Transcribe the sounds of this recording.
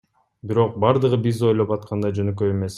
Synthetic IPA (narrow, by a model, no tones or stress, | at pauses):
biɾo̞q̚bɑɾd̪ɯʁɯbizo̞jlˠopɑt̪̚qʰɑnd̪ɑd͡ʒønøk̬øeme̞s